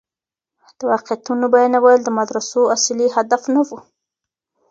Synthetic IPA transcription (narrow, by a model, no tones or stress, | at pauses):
d̪̥əwɑqejat̪unobajnawajld̪əmad̪ɾasoasliɦad̪afnawu